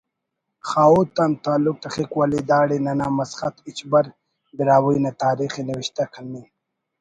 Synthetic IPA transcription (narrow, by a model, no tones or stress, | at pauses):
xaːut̪ant̪aːluk̚t̪ɐxikwalid̪aːɽinɐnaːmɐsχɐt̪it͡ɕbɐɾ | biɾaːwujnat̪aːɾixinɐwiɕt̪akʰɐlːi